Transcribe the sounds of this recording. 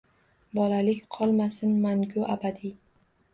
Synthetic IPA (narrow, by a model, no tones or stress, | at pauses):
bɒlalɪkʲqʰɒlˠmasɪnmaŋɡʲʊʔabad̪i